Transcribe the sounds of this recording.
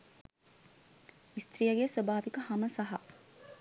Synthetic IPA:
ist̪ɾijɐɡeswɐbaːʋikəhɐməsɐɦɐ̰

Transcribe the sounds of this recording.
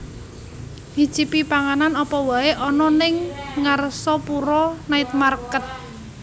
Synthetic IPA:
hi̥ʒ̥i̤pipaŋananɔpɔwaeʔɔnɔnɪŋːarsɔpuɾɔnaɪt̪̚markət̪̚

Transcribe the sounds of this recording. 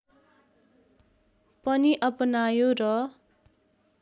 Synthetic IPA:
pʌniʔʌpʌnajorʌ

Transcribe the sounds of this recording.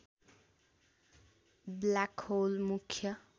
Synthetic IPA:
blakholmukʰjʌ

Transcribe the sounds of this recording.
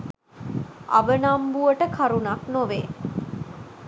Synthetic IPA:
a̰ʋənambuʋəʈəkʰaɾunaknoʋe

